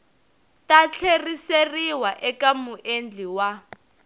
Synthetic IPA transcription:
tat͡ɬʰeriseriwaʔɛkamuʔend͡ɮʱiwa

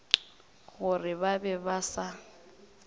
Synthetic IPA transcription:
ɣʊrɪβabɛbasa

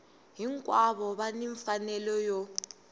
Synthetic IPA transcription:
ɦiŋkʼwaβɔβaniɱfanɛlɔjɔ

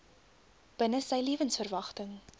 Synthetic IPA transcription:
b̥ənəsɛjliəvənsfərvɐχtəŋ

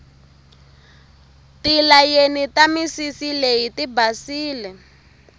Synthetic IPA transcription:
tilajenitamisisileɦitibasiːlɛ

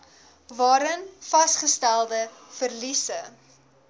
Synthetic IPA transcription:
vɑːɾənfɐsχəstælˠdəfərlisə

